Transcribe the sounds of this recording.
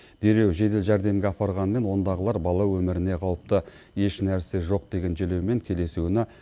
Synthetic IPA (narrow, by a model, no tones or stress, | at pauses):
d̪̥e̞ɾe̞wʒe̞d̪elʒæɾd̪e̞mɡʲeɑpɑɾʁɑnəme̞nwo̞nd̪ɑʁəlˠɑɾbɑlˠɑwɵmɪɾɪne̞qʰɑwəp̚t̪ə | je̞ʃnæɾse̞ʒo̞q̚d̪e̞ɡʲe̞nʒele̞wme̞ŋkʲʰe̞le̞sunɪ